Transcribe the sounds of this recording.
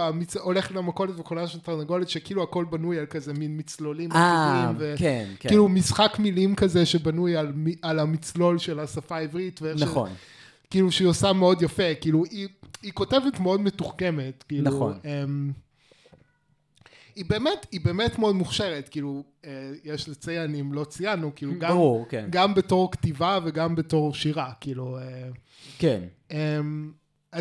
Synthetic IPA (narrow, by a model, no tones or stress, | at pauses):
amit͡soleχtlamakolet̪vekolaʃelt̪aʁnaɡolitʃekiiːluako̞lbanujalkazeminmit͡slolimalimvekenkiːlumisχakmilimkazeʃebanujalmialamit͡slo̞lʃelasafaivʁitveennaχo̰n | kiːluʃeiosameo̞djafekiːluiiko̞tevetmeo̞dmetuχkemetkiːnauonem | ibe̞ːmetibe̞ːmetmeodmuχʃeʁetkiːlu | ejeʃlit͡sejanimlo̞t͡sijanukiːluɡauʁkḛnɡambeto̞ʁktivaveɡambeto̞ʁʃiʁakiːlue | ken | em | a